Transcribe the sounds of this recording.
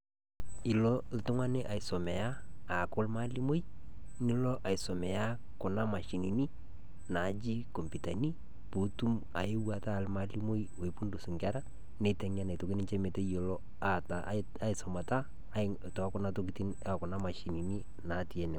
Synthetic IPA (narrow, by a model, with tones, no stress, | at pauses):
ɪ˨lɔ˦ltʊ˦ŋa˦ne˦ʔa˨ɪ˨so˨mɛ˨jaː˦˨kʊ˦lma˦li˦mo˦ji˦ | ni˦lɔ˦ʔa˨jsɔ˨mɛ˨a˦ | kʊ˨na˦ma˨ʃi˨ni˨ni˦ | na˨˦d͡ʒi˦ko˨mpi˨ta̰˨ni˦ | pu˨tu˦m | a̰˨je˦wa˨ta˦˨lma˦li˦mo˦j | o˨i˨pu˦ndu˨su˨ŋɡa˦ɾa˦ | ne˨˦tɛ˨ŋ˦a˦na˨jto˨kɪ˦nɪ˦t͡ʃe˦me˨te˦jo˨lɔ˦ | a˨ta˨ | a˦ɪsɔ˨ma˨taː˦˨ | tɔ˨˦kʊ˦na˦to˦k̬i˨ti˦na˨kʊ˨na˦ma˨ʃi˨ni˨ni˦ | na˨˦ti˨ɛ˨nɪ˨